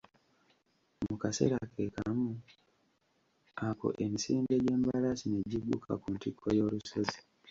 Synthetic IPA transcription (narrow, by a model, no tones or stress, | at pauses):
mukase̞̰ɾake̞ka̰mu | ako̞̰ʔe̞misiːnde̞ɟe̞ːmbalasine̞ɟiɡṵkʰa̰kuntikʰːo̞jo̞ːluso̞zi